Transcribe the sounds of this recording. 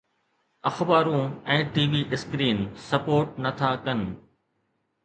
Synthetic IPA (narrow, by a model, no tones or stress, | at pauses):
ɐxbaːɾũːɛ̃ːʈiːʋiːʔɪskɾiːnsɐpoːɾʈnɐt̪ʰakɐnɪ̆